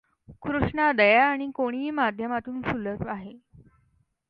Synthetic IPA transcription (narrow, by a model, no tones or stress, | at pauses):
kɾuʂɳad̪əjaːɽ̃ikoɽ̃iːmad̪ʱjəmat̪uːnsulət̪aɦe